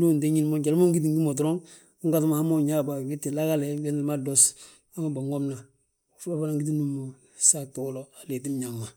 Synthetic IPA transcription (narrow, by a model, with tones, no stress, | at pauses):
du˦n˨de˦ɲi˦nmo˦ɟa˨lmo˦ŋɡi˦t̬i˨ŋɡi˦mo˨t̬ɾo˦ŋ | u˦ŋɡa˦tu˦ma˨ha˦mo˦ɲa˦ba˨ɡi˦tːi˨la˦ɡa˦le˨ɡe˦ni˦lma˦do˦s | a˦ma˨ba˨ŋo˦mna˨ | fba˦fa˦la˦ŋɡi˦t̬i˦nu˦mo˨ | sa˦to˦lo˨a˨le˨t̬i˦mɲa˨ŋma˨